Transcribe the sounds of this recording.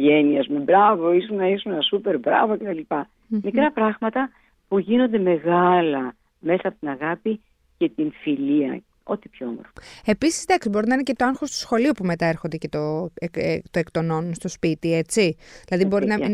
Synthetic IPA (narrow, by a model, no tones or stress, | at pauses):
ʝeniɐzmebɾɐvoisunɐisunenɐsupe̞ɾbɾɐ̰vocet̪ɐlipɐ | mikɾɐpɾɐɣmɐt̪ɐ | puʝino̞nd̪e̞me̞ɣɐlɐ | me̞sɐpot̪inɐɣɐpi | ce̞t̪infiliɐ̰ | o̞̰t̪ipçomoɾfe̞pisi̥zd̪ɐksibo̞ɾinɐinece̞t̪o̞ɐŋxo̞st̪u̥sxo̞liupume̞t̪ɐe̞ɾxo̞nd̪ecet̪o | t̪oe̞kt̪o̞no̞nunst̪o̞spit̪ie̞t͡siðilɐðibo̞ɾiinɐ